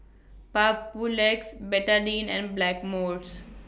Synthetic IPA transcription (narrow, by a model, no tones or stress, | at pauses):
papuleksbɛʈəɖĩːnɛ̰̃ɳɖblækmoːɾɖs